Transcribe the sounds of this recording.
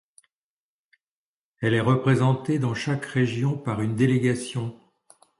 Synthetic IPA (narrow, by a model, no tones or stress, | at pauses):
ɛlɛʁəpχezɑ̃t̪ed̪ɑ̃ʃakʁeʒjɔ̃paʁynd̪eleɡasjɔ̃